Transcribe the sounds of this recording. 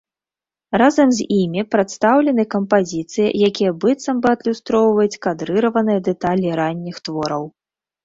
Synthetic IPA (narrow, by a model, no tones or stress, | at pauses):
razɐmzʲimʲipɾat̪st̪awlʲɛnɨkɐmpazʲit̪sɨjɐ̰jakʲijɐbɨt̪sɐmbɨɐd̪lʲust̪ɾɔwvɐjut͡sʲkad̪ɾɨɾɐvɐnɨjɐd̪ɛt̪alʲiɾanʲːixt̪vɔɾɐw